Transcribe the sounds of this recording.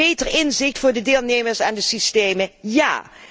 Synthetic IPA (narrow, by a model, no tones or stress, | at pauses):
ejtəɹɪnzɪχtfʊːɹdədɪːlˠnejməɹsɛndəsistejməja̰ː